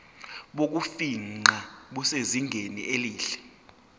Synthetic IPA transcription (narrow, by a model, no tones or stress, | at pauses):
ɓok̬ufiaɓuseziŋʱenḭʔeliːɬɛ̥